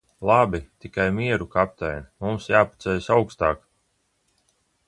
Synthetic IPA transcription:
lˠabit̪ikajmiɛɾukap̚t̪ɛjnmumsjaːpḁt̪sɛjsawkst̪aːk

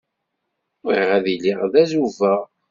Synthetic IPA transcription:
ʊɾiʁæðiliʁðæzuvæ

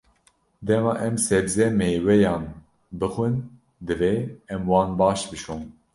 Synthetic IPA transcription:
d̪ɛmɑːʔɛmsɛbzɛmewɛjɑːn | bɨxwɨn | d̪ɨveːɛmwɑːnbɑːʃbɨʃoːm

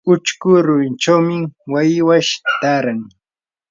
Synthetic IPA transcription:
ʊt͡ʃkʊɾʊɾɪnt͡ʃawmɪwajɪwaʃt̪aɾaŋ

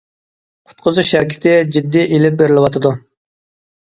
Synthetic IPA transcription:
qʰʊ̥t̪̚qʰʊzuʃæɾkʲi̥t̪ʰɪd͡ʒid̪ːiʔelɪp̚beɾɪlˠɪwɑt̪ʰɨd̪u

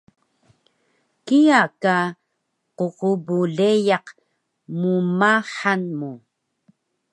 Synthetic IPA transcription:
kiaka | qoʁubuɮejɑq | mumaħanmu

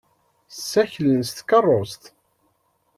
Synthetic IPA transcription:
sːæçlənst̪kərˤːost̪

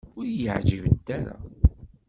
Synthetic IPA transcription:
ʊɾjəʕd͡ʒəvəd̪ːæɾæ̰

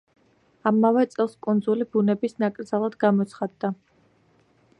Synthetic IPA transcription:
amːavɛt̪sʼɛlˠskʼund̪zulibunɛbisnakʼɾd̪zalˠad̪ɡamɔt̪sʰχad̪ːa

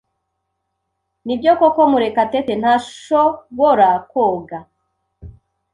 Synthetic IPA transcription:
nibjokokomuɾekateten̥haʃoβoɾakoɡa

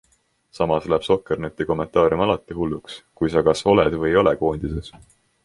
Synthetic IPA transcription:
sɑmɑsleb̥so̞kːˑernet̪ːiko̞mːe̞nt̪ːˑɑːɾʲjumɑlɑt̪ːˑihulːukskujsɑkɑso̞led̪̥vɤjo̞le̞ko̞ːnʲd̪̥ises

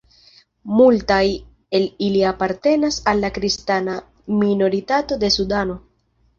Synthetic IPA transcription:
multaj | e̞liliapaɾte̞nasalːakɾistana | mino̞ɾitato̞de̞sudano̞

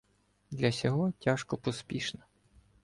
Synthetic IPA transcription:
d̪lʲɐsʲɔɦɔtʲaʃkɔpɔspʲiʃnɐ

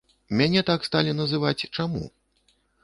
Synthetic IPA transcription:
mʲanʲɛt̪akst̪alʲinɐzɨvat͡sʲt͡ʂamṵ

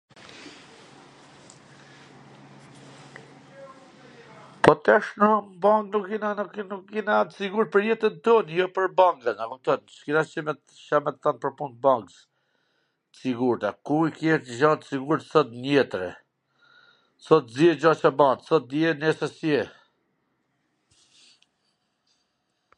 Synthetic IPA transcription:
pɔt̪ɛʃnambaŋknukinanukːinat̪siɡuɾt̪̚pəɾjɛt̪ənt̪ɔnjɔpəɾbaŋɡənakumt̪ɔnt͡ʃkinat͡ʃəmɛt̪ | ʃamɛt̪θɔnpəɾpunt̪̚baŋks | əsiɡuɾt̪akuikjɛɾəʃat̪siɡuɾt̪sɔt̪nɛt̪ɾɛ̰ | sɔt̪zjɛd͡ʑat͡ʃabant̪sɔt̪̚d̪jɛnɛsɛsjɛ

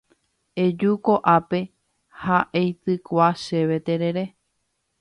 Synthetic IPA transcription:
e̞d͡ʒukoʔape̞ | haʔejsɨkʷaʃe̞ʋe̞t̪eɾe̞ɾe̞

